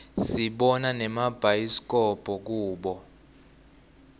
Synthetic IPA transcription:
siɓɔnanɛmab̥ʱajisk̬ʼɔb̥ʱɔk̬uːɓɔ

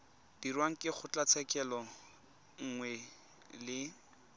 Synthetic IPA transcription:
d̥irwaŋ̩kʼɪχʊt͡ɬʼat͡sʰɛkʼɛlɔ | ŋ̩ŋwɛ | lɪ

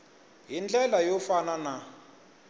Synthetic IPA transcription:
ɦind͡ɮɛlajɔfanana

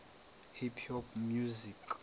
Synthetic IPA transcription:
hipʰhɔpmjuzik

